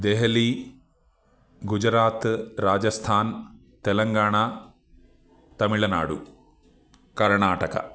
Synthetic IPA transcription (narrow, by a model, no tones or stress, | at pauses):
d̪eɦɐli | ɡud͡ʒɾaːt̪ɾaːd͡ʒɐst̪ʰaːn | t̪elɐŋɡaːɳa | t̪ɐmiɭɐna̰ːɽṵ | kɐɾɳaːʈɐkɐ̰